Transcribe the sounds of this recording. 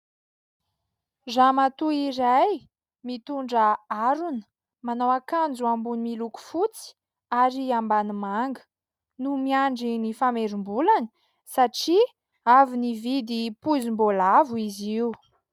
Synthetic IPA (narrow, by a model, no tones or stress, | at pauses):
zamat̪uiɾaj | mit̪uɳɖ͡ʐəaɾunə̥ | manawakand͡zuambunimiluku̥fut͡si̥ | aɾiambanimaŋɡə̥ | numiaɳɖ͡ʐinifameɾumbulanə̥ | saʈ͡ʂi | avinivid̪ipuzimbolavuiziw